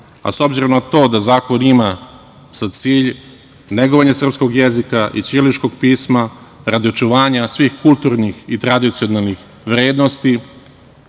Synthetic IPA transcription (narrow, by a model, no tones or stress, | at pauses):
a̰so̞bziɾo̞mnat̪o̞ːd̪azaːko̞nima | sat̪siːʎ | neɡoʋaɲasr̩psko̞ɡjezikaʔḭt͡ʃ̪ilit͡ʃko̞ɡ̚piːsmaɾad̪io̞t͡ʃuʋaːɲasʋixkulˠt̪uɾnixit̪ɾad̪it̪sio̞nalˠnix | ʋɾeːd̪nost̪i